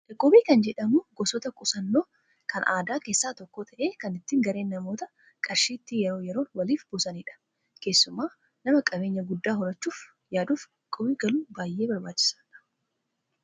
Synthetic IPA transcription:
ɐkʼːɔbiːkɐnd͡ʒɛᶑɐmuːɡɔsɔt̪ɐkʼʊsɐnːoː | kʰɐnʔaːd̪aːke̞ːsːaːt̪ɔkːoːt̪ʰɐʔe̞ːkɐnɪt̪ːiːŋɡɐɾe̞ːnːɐmo̞ːt̪ɐ | kʼɐɾʃiːt̪ːijɛɾo̞ːjɛɾoːnwɐliːfbʊsɐniːᶑɐ̥ | ke̞ːsːʊmaː | nɐmɐkʼɐbe̞ːɲːɐɡʊd̪ːaːɦʊɾɐt͡ʃːuːf | jaːd̪uːf | kʼːɔbiːɡɐluːbaːjːe̞ːbɐɾbaːt͡ʃːɪ̥sɐɐ̥

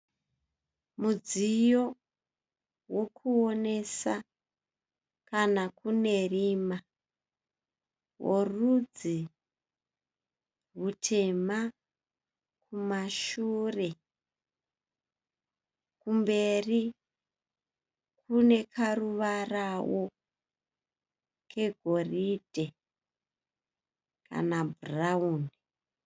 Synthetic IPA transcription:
mud͡zijo̞ | wo̞kʰuone̞sa | kanakune̞rima | wo̰rud͡zi | ɦutʰe̞ma | kʰumaʃure̞ | kumbe̞ri | kune̞kʰaruʋarawo | kʰe̞ɡʱo̞rid̥ʱe̞ | kʰa̰nabʱurauːni

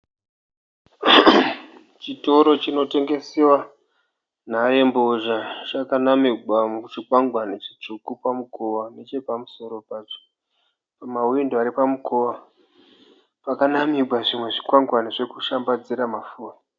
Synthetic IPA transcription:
t͡ʃito̞ɾo̞t͡ʃino̞te̞ŋɡe̞sewa | naje̞mboʒat͡ʃakanamiɡʱwamut͡ʃikwaŋɡwanet͡ʃit͡ʂukupamukʰowane̞t͡ʃe̞pamuso̞ɾo̞pat͡ʃo̥ | pamawindoaɾipamukʰowa | pakanamiɡʱwaʐimwe̞ʐikwaŋɡwaneʐe̞kuʃambad͡ziɾamafuːra

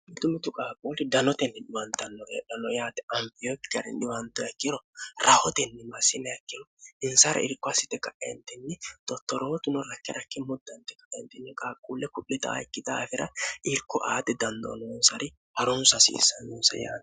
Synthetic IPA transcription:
mɪt̪ʊmɪt̪ʊkʼaːkʼuːlɪd̪ɐnɔt̪ɛnːɛnɪwɐnt̪ɐnːɔjɛ̰ᶑɐnɔjaːt̪ɛɐmpɪjɔkːɐɾɛ̰nɪwɐnt̪ːɔjɐkːɪɾɔɾɐhɔt̪ɛnːɛmɐsɪmɛjɐkːɪnɪnsɐɾɐ̰ɪɾkːɔɐsɪt̪ːɛkɐʔɛnt̪ɛnːɛt̪ɔt̪ːɔɾoːt̪ʊnɔɾɐkːɛɾɐkːɛmʊd̪ːɐnt̪ːɛkɐʔɛnt̪ɛnːɛkʼaːkʼuːlːɛkʊʔɪt̪ɐ̰ɪkːɪd̪aːfɪɾɐɪɾkːʊʔaːt̪ɛd̪ɐnd̪o̰ːnɔnsɐɾɪ | hɐɾʊnsɐsḭːsɐnːunsɐ̰ja̰ːt̪

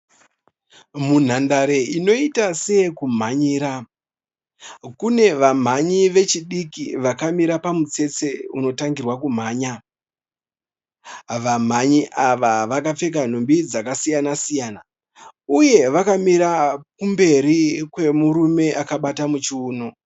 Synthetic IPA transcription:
mun̤andaɾe̞ino̞itase̞kum̤aɲiːɾa | kune̞ʋam̤aɲiʋe̞t͡ʃiɗikiʋakamiɾapamut͡se̞t͡se̞uno̞taŋɡirwakum̤aːɲa | ʋam̤aɲiʔaʋaʋakap͡fe̞k̬an̤ombid͡zakasijanasijaːna | uje̞ʋakamiɾakumbe̞ɾikwe̞muɾume̞ʔakaɓatamut͡ʃiuːno

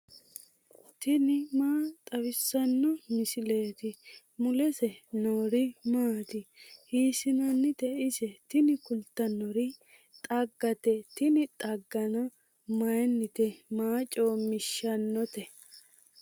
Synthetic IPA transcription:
t̪ɪnɪmaːt̪ʼɐwɪsːɐnːɔmɪsɪleːt̪ɪ | mʊlɛsɛnoːɾɪmaːt̪ɪhiːsɪnɐnːɪt̪ɛɪsɛt̪ɪnɪkʊlt̪ːɐnːɔɾɪ | t̪ʼɐɡːɐt̪ɛt̪ɪnɪt̪ʼɐɡːɐnɔ | mɐjɛnːɪt̪ɛmaːt͡ʃʼoːmɪʃːɐnːɔt̪ɛ

